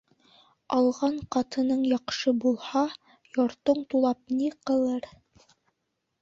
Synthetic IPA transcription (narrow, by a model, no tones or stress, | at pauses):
ɑlˠʁɑɴqɑt̪ɤ̆nɤɴjɑqʃɤbulˠhɑ | jŏɾt̪oɴt̪ulˠɑp̚niqɤ̆lˠɤɾ